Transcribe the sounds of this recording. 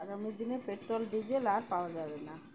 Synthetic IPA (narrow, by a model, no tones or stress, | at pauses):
aɡamid̪inepeʈɾolɖid͡ʑelaɾpaoad͡ʑabena